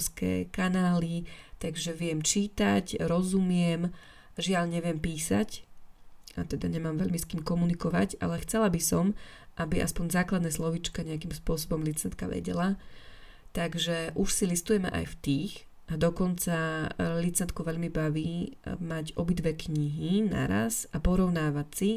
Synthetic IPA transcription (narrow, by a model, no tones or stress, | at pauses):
skɛ̰ːkanaːlit̪aɡʒɛʋɪɛmt͡ʃiːt̪acɾɔzumɪɛm | ʒɪaʎɲɛʋɪɛmpiːsa̰c | ʔa̰t̪ɛd̪aɲɛmaːmʋɛʎmiskiːmkɔmunikɔʋa̰ca̰lɛxt͡sɛlabisɔmʔabiʔa̰spɔɲzaːklad̪nɛːslɔʋit͡ʃkaɲɛakimspʊɔsɔbɔmlit͡sɛnt̪ka̰ʋɛ̰ɟɛ̰la | t̪aɡʒɛʔuʃsilist̪ujɛmɛ̰ʔa̰jft̪iːx | ʔad̪ɔkɔnt͡salit͡sɛnt̪̚kuʋɛʎmibaʋiːmaɟɔbid̪ʋɛkɲiɦina̰ɾa̰sapɔɾɔʊnaːʋacsi